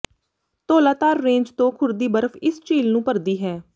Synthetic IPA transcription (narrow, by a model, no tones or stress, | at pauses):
t̪oːlaːt̪aːɾːẽːɲd͡ʒt̪õːkʰʊɾd̪iːbəɾəfʰɪst͡ʃiːlnũːpəɾd̪iːɦɛː